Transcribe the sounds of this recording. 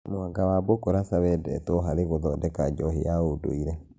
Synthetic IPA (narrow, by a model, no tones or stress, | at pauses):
mwaɡawabokoɾasaβɛdɛ̰tɔɦaɾeɣoðɔdɛkad͡ʒɔhḛjaodo̰iɾɛ